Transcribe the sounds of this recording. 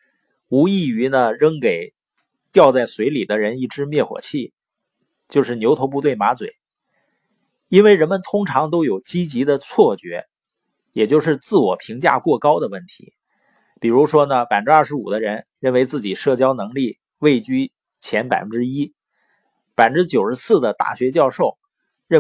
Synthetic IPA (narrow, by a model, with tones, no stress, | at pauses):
u˧˥i˥˩y˧˥nə˧ɻɤ˥ŋke˨˩ɪ | t̪jɑ˥˧ʊt͡sa˥˩ɪswe˧˥ɪli˨˩d̪ə˦ɻə˧˥ni˥˩ʈ͡ʂɻ̩˥mjɛ˥˩xwɔ̰˨˩t͡ɕʰi˥˩ | t͡ɕjo˥˧ʊʂɻ̩˥˩njʊo˧˥ʊp̬u˥˧t̪we˥˩ɪma˧˥t͡swḛ˨˩ɪ | i˥nwe˥˩ɪɻə˧˥nmə˧nt̪ʰʊ˥ŋʈ͡ʂʰɑ˧˥ŋt̪̬o˥ʊjo˨˩ʊt͡ɕi˥t͡ɕi˧˥d̪ə˧t͡sʰwɔ˥˩t͡ɕɥɛ˧˥ | jɛ˨˩t͡ɕjo˥˧ʊʂ̬ɻ̩˥˧t͡sɹ̩˥˩wɔ˨˩pʰi˧˥ŋt͡ɕja̰˥˧kwɔ˥˩kɑ˥ʊd̪ə˨wə˥˩nt̪ʰḭ˧˥ | pi˨˩ɻu˧˥ʂwɔ˥nə˨pa˨˩fə˦˥ɻ̩˥ɐ˞˥˩ʂɻ̩˧˥ṵ˨˩d̪ə˦ɻə˧˥nɻə˥˩nwe˧˥ɪt͡sɹ̩˥˩t͡ɕi˨˩ʂɤ˥˩t͡ɕjɑ˥ʊnɤ˧˥ŋli˥˩ | we˥˧ɪt͡ɕy˥ | t͡ɕʰjɛ˧˥npa˨˩ɪfə˦˥nʈ͡ʂɻ̩˥i˥ | pa˨˩ɪfə˥ʈ͡ʂɻ̩˥t͡ɕjo˨˩ʊʂɻ̩˧˥sɹ̩˥˩d̪ə˩t̪a̰˥˩ɕɥɛ˧˥t͡ɕjɑ˥˧ʊʂo˥˩ʊ | ɻə˥˩